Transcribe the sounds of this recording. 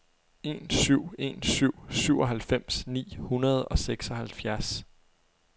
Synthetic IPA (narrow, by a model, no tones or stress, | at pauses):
e̝nsyʊ̰e̝̰nsyʊ̰syʊ̰ɒ̽ɦælfem̰snḭːhunɐð̞̩ˠɒ̽seɡ̥sɒ̽hælfjæɐs